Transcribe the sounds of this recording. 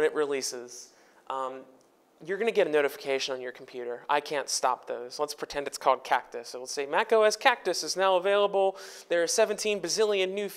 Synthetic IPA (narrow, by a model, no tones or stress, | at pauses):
ɾɨʔ̚ɹilisɪz̥ | jə˞ɡʌnɨɡɛɾɨnoʊɾɨfə̥kʰeɪʃɨ̃nə̃njə˞kʰm̩pʰj̥ʉɾə˞ʔa̰ɪkʰæ̃ntstɑ̰p̚ðoʊz̥lətspʰɹ̥ɨtʰɛ̃ndɨtskʰɔlˠd̚kʰæk̚tɨsaɪwəlˠseɪmækoʊɛskʰæk̚tɨsɨznaʊəveɪlˠəbl̩ˠðə˞ːsɛvɨ̃ntʰĩnbɨzɪlˠjɨ̃nːʉ